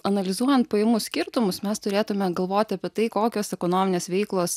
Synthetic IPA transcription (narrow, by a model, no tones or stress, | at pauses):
ɐnɐlʲɪzuɔjɛnt̪̚pɐjemuːsʲkʲɪɾt̪ʊmʊsmʲɛst̪ʊɾʲeːt̪ʊmʲɛɡɐlˠʋoːt̪ʲɪɐpʲiɛt̪ɐɪkoːkʲoːsɛkonoːmʲɪnʲeːsʋʲɛɪklˠoːs